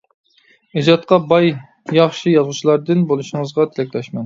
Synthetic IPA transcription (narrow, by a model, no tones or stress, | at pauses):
ed͡ʒɑt̪̚qɑbɑj | jɑχʃijɑzʁut͡ʃʰilˠɑɾd̪ɨnbolˠuʃiŋəzʁɑt̪ʰɪlɛkʲlɛʃmɛn